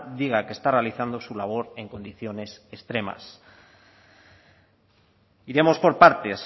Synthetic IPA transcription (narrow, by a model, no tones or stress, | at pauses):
d̪iɣ̞akest̪are̞aliθand̪o̞sulaβ̞o̞ɾe̞ŋko̞nd̪iθjo̞ne̞sest̪ɾe̞ma̰s | iɾe̞mo̞spo̞ɾpaɾt̪e̞s